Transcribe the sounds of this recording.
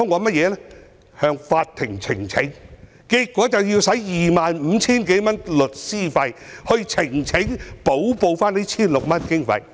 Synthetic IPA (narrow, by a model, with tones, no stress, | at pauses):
ɔː˥ŋɔː˨˧mɐ˥t̚jɛː˨˧lɛ˥ | hœː˧ŋfaː˧t̚t̪ʰɪ˨˩ŋt͡sʰɪ˨˩ŋt͡sʰɪ˨˥ŋ | kiː˧t̚kːʷɔː˨˥t͡sɐ˨wjiː˧wsɐ˨˥jjiː˨maː˨nm̩ː˨˧t͡sʰiː˥nke˨˥jmɐ˥nlɵ˨˩t̚siː˥fɐ˧jhɵ˧ɥt͡sʰɪ˨˩ŋt͡sʰɪ˨˥ŋpo˨˥wpo˧wfaː˥ne˥t͡sʰiː˥nlʊ˨k̚mɐ˥nkɪ˥ŋfɐ̰˧j